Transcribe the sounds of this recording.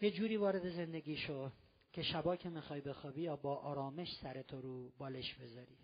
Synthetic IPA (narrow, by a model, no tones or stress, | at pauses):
je̞d͡ʒuːɾiːvɒːɾe̞d̪e̞zend̪eɡʲiːʃo | cʰeʃæbɒːcʲʰemixɒːjbe̞xɒːbijɒːbɒːʔɒːɾɒːme̞ʃsæɾet̪ʰoɾuːbɒːleʃbe̞zɒːɾiː